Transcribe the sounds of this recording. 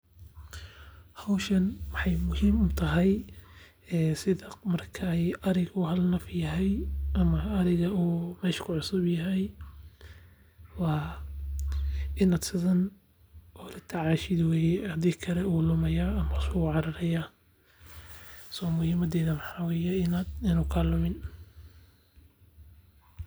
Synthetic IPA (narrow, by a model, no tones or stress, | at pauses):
hɐwʃɐnwɐħɑjmʊhiːmʊmt̪ʰɐɦɛj | ɛːsɪðɐmɐrkʰɐjʔɐɾɪɣuːɦɐlnɐfjɐɦɛjʔɐmɐɐɾɪɣɐuːmɛːʃkʰʊʕʊsʊbjɐɦɛj | wɑː | ɪnaːd̪sɪðɐn | ʔɔlɪt̪ʰɐʕaːʃɪðwɛːjɛhɐd̪iːkʰɐɾɛuːlʊmɐjaːɐmɐsʊɣʊʕɑɾɐɾɐja | sɔːmʊhiːmɐd̪ɛːðɐmɐħɑːwɛːjɛɪnaːd̪ɪnʊːkʰaːlʊmɪn